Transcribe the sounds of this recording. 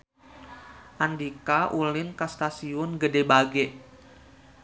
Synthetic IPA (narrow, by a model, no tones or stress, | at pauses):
ʔandikaʔulɪnkast̪asiʊnɡədebaɡɛʔ